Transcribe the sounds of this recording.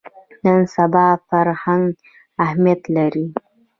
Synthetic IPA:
nənsabɑfaɾhaŋɡ | ahmijat̪laɾi

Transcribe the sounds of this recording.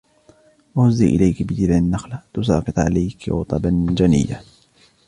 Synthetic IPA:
wahʊzːiːʔɪ̰lajkbɪd͡ʒɪbʕɪnːaxlat̪ʊs̬a̰ːfɨt̪ˤʕa̰lajkɣʊ̰t̪ˤɑband͡ʒanɪ̰jːa̰

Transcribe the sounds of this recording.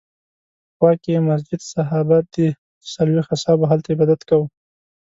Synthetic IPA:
xwɑkemas̬d͡ʒɪd̪saɦɑbat̪̚d̪̥ə | salwext̪asɑboɦalt̪aebad̪at̪kaw

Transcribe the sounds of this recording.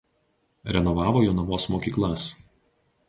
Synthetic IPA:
ɾʲɛnɔʋɑːʋoːjoːnɐʋoːsmoːkʲiːklˠɐs

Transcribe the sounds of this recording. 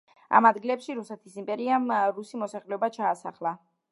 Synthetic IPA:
a̰mad̪ɡilɛpʃiɾusɛt̪ʰisimpʼɛɾiamɾusimɔsaχlɛɔbat͡ʃʰaːsa̰χlˠa

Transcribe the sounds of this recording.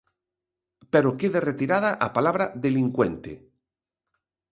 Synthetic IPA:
peɾokeðeret̪iɾaðaʔapalaβɾaðeliŋkwẽnt̪ḛ

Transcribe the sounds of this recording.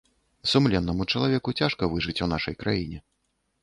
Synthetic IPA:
sumlʲɛnːɐmut͡ʂɐlˠavʲɛkut͡sʲaʂkɐvɨʐɨt͡sʲunaʂɐjkɾa̰jinʲɛ

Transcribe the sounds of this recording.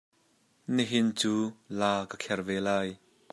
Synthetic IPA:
niɦɪnt͡suːlaːkəkʰɛrvɛːlaːj

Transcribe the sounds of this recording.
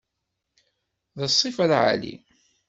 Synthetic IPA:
ðəsˤːifælʕa̰lḭ

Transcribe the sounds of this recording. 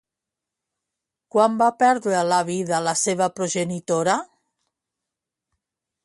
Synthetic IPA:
kwambapɛɾðɾelaβiðalaseβapɾoʒenit̪oɾa

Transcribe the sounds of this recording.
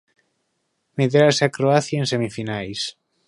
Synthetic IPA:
meðɾasakɾoaθjaensemifinajs

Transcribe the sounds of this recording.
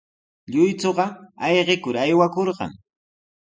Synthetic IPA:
ʎʊjt͡soɢɑɑjɢɪkʊɾajwakoɾɢɑ̰ŋ

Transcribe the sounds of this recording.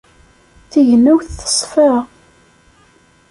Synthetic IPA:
θiʝənːuwθə̥sˤfə

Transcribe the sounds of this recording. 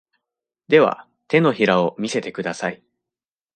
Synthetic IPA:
d̪e̞βa̰ | t̪e̞no̞çiɾao̞mʲise̞t̪e̞kɯ̟d̪asai

